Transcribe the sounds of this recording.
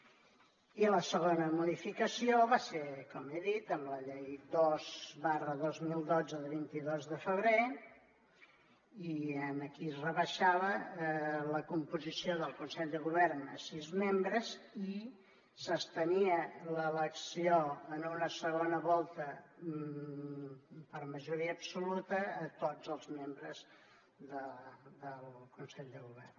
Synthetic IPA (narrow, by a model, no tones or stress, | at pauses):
iləsəɣ̞onəmuðifikəsioβasekɔmeðit̪əmləʎejd̪ozβarəðozmilˠd̪od͡zəðəβint̪iðozðəfəβɾe | iənəkisrəβəʃaβə | ləkumpuzisioðəlˠkunsɛʎd̪əɣuβɛrnə̰sizmembɾəzi | səst̪əniələləksioənunəsəɣonəβɔlˠt̪ə | pəɾməʒuɾiəːbsulut̪əːt̪od͡zəlˠzmembɾəz | ðəd̪əlˠkunsɛʎd̪əɣuβɛrn